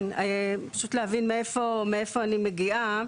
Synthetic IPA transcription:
napḁʃut̪lehavinmeefomeefoanimeɡia

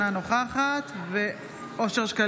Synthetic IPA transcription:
ano̞χaχat̪ve | ʔo̞ʃe̞ʁʃka

